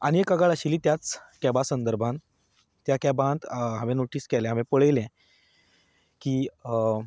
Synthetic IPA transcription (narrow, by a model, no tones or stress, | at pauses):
a̰ñiekaɡaɭaɕiːliːt̪jat͡skɛbasənd̪əɾbʱãn | t̪jakɛbãt̪ɦãʋẽnoʈiːskɛlɛ̃ɦaʋẽpəɭəjlɛ̃ | kiː